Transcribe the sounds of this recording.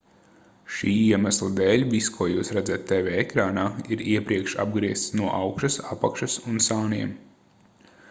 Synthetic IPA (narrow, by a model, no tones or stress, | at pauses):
ʃiːiɛmæslˠid̪ɛːlʲviskʰuɔjuːsɾad̪zat̪ːɛvɛɛkɾaːnaːiɾiɛpɾiɛkʃa̰b̚ɡɾiɛst̪snuɔʔawkʃɐsapakʃɐsunsaːniɛm